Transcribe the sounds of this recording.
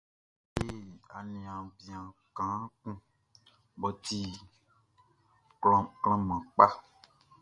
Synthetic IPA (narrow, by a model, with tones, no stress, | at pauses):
be˦a˨nĩ˨ã˨bi˨ã˨kã˨˦kũ˦ | bɔ˨t̪i˦ | klɔ˦kl̃ɔ̃˦mã˨k͡pa˦